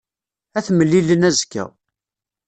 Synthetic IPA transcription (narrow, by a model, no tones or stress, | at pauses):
æθməlːilənæzkːæ̰